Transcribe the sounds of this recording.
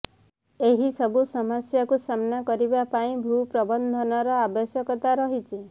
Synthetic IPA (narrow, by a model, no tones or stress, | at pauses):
eɦisɔbusɔmɔsjɔkusamnakɔɾibapaĩbʱupɾɔbɔnd̪ʱɔnɔɾɔabɔsjɔkɔt̪aɾɔɦit͡ʃʰi